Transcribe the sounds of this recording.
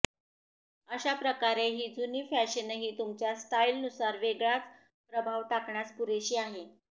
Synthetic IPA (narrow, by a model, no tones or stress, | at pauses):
əɕapɾəkaɾeɦiːd͡zuniːfæɕənəɦiːt̪umt͡ɕjasʈ̪ailnusaɾʋeɡɭat͡s | pɾəbʱaʋt̪akɳaspuɾeɕiːaɦe